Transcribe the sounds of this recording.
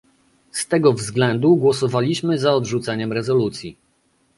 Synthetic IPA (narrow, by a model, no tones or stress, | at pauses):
st̪ɛɡɔvzɡlɛnd̪uɡwɔsɔvalʲiɕmɘzaɔd̪ʐut̪sɛɲɛmɾɛzɔlut̪sʲji